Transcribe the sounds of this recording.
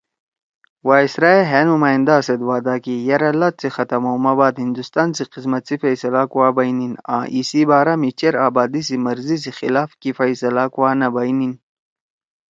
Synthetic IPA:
waːisɾaeɦenumaːind̪aːsɐd̪waːd̪akijɐɾɐlɐt̪̚t͡sixɐt̪ɐmɐwmɐbaːd̪hind̪ust̪aːnt͡siqismɐt̪t͡sifɐjsɐlakuwaːbɐjninã̰ːʔisibaːɾamit͡ɕeɾaːbaːd̪isimɐɾzis̬ixḭlaːfkifaisɐlakuwaːnɐbɐjnin

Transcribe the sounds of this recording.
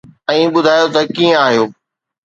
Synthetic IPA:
ɛ̃ːɓʊd̪ʱaːjot̪ɐkiːə̃aːɦijoː

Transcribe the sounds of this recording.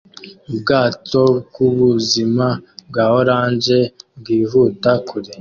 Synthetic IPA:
ubɡaːtoɡuβuzimabɡaːhoɾaːnd͡ʒe̞bɡiːvuːtakuɾe

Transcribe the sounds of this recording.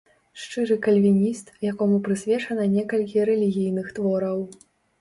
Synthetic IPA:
ʂt͡ʂɨɾɨkɐlʲvʲinʲist̪jakɔmupɾɨsʲvʲɛt͡ʂɐnɐnʲɛkɐlʲkʲiɾɛlʲiɣʲijnɨxt̪vɔɾɐw

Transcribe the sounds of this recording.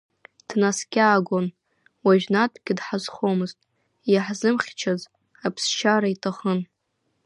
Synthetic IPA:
d̥naskʲʼaːɡʷon | waʒᶣnatʼʰɡʲɪdħazχomɨztʼ | jaħzɨmχʲt͡ʃʰaz | apʰsʃaɾaitʰaχən

